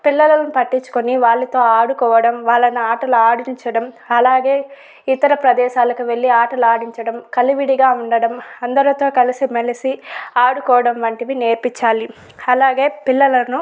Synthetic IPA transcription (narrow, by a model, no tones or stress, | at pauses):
pilːɐlɐnupɐʈːiɲt͡ʃːu̥koniʋaːɭːɐt̪o̞ːaːɽukɔːʋɐɽɐmʋaːɭːɐnɐaːʈɐluaːɽiɲt͡ʃɐɽɐm | ɐlaːɡe̞ː | it̪ɐɾɐpɾɐd̪ɛːʃaːlɐkuʋe̞ɭːiaːʈɐluaːɽiɲt͡ʃɐɽɐmkɐliʋiɽiɡaːuɳɖɐɽɐmɐnd̪ɐɾut̪o̞ːkɐlisimelisiaːɽukɔːʋɐɽɐmʋɐɳʈiʋine̞ːɾpit͡ʃːaːli | ɐlaːɡe̞ːpilːɐlɐnu